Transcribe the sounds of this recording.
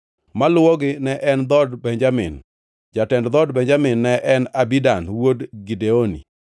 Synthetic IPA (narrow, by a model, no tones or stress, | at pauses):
malʊwɔɡɪnɛʔɛnd̪ɔdbɛɲd͡ʒamɪ̰n | d͡ʒatɛndd̪ɔdbɛɲd͡ʒamɪnːɛʔɛnabidanwodɡideonḭ